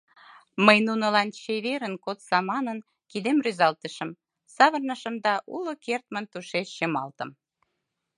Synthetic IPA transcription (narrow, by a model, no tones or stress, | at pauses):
məjnunə̆lɑnt͡ɕeβeɾənkot̪sɑmɑnən | kid̪emryzɑlt̪əʃə̆m | sɑβərnəʃə̆md̪ɑʔulokert̪mənt̪uʃeʃːemɑlt̪ə̆m